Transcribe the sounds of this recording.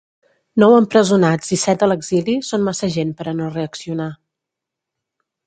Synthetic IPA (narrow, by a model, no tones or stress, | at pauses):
nɔwəmpɾəzunad͡zisɛt̪̚d̪ələɡzilisonmasəʒenpəɾənoreəksiuna